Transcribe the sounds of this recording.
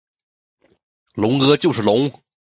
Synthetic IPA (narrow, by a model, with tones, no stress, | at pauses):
lʊ˧˥ŋkɤ˧˥t͡ɕjo˥˧ʊʂɻ̩˥˩lʊ˧˥ŋ